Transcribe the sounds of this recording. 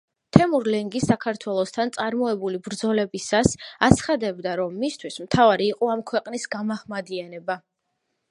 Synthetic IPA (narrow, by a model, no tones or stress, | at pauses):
t̪ʰɛmuɾlɛŋɡisːakʰaɾt̪ʰwɛlˠɔst̪ʰant̪sʼaɾmɔɛbulibɾd̪zɔlɛbisasat̪sʰχad̪ɛbd̪aɾɔmːist̪ʰwismt̪ʰavaɾiːqʼɔamkʰwɛqʼnisɡamaχmad̪ianɛba